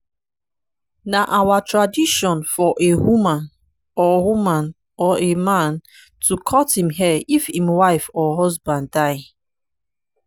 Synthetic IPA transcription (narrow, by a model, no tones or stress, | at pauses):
naʔawatɹadiʃɔ̃nfɔʔewumãn | ɔwumãn | ɔʔemãn | tukʰɔthĩmɦɛifhĩmwaɪfɔɦɔzbãndaɪ